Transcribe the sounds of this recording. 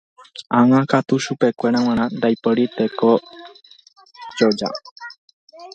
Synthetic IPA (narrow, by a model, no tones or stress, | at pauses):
ãŋãkat̪uʃupe̞kʷe̞ɾãw̃ãɾ̃ãnd̪ajpɨɾit̪eko | d͡ʒod͡ʒa̰